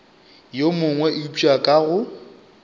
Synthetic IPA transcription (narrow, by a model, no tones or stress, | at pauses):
jomʊŋwɛʔɪpʼakʼaɣʊ